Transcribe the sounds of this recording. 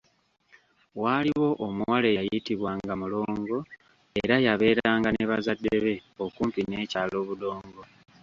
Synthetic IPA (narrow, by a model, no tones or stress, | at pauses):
waːliwo̞ʔomuwalejitiβwaːŋɡamulo̞ːŋɡo̞ | eɾajaβe̞ːɾaːŋɡaneβazadːeβe̞o̞kuːmpineːcaːlo̞ːβudo̞ːŋɡo̞